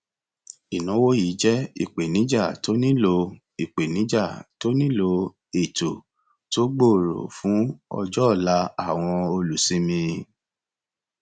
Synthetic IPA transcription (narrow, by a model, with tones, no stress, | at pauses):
i˨nũ˨˦wo˦ji˨˦d͡ʒɛ˦ḭ˦˨k͡pe˨nĩ˨˦d͡ʒa˦˨to˦nĩ˦lo˧ | i˨k͡pe˨nĩ˨˦d͡ʒa˦˨to˦nĩ˦lo˧ | e˨to˨ | to˦ɡ͡bo˦˨ɾo̰˨fũ˨˦ɔ̰˧d͡ʒɔ˦˨la˦a˦˨w̃ɔ̃˧o˧lu˨sĩ˨˦mĩ˧